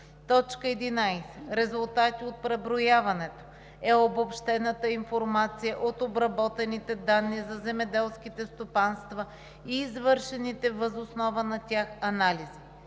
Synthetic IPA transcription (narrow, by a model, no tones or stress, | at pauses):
t̪ɔt͡ʃkəɛd̪inajsɛ̥ɾɛzʊlˠt̪at̪iot̪̚pɾɛbɾojavɐnɛt̪o̥ | ɛobopʃt̪ɛnət̪əinfoɾmat̪sijəʔot̪obɾɐbɔt̪ɛnit̪ɛd̪anːizɐzɛmɛd̪ɛlˠskit̪ɛst̪opanst̪vɐ | iːzvɤɾʃɛnit̪ɛvəzosnɔvənɐt̪ʲaxɐnalizi